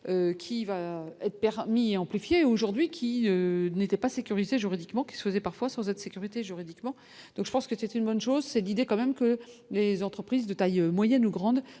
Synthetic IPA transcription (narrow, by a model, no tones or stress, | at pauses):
økʲʰivaɛt̪χpɛʁmieɑ̃plifjeoʒuʁd̪ɥikʲʰiønet̪ɛpasekʲyʁizeʒyʁid̪ikmɑ̃kʲi̥sə̥fəzɛpaʁfwasɑ̃zɛd̪əsekʲyʁit̪eʒyʁid̪ikmɑ̃ | d̪̥ɔ̃kʒəpɑ̃skəsɛt̪ynbɔnʃozsɛlid̪ekɑ̃mɛmkəlezɑ̃t̪χəpχizd̪ət̪ajømwajɛnuɡʁɑ̃d̪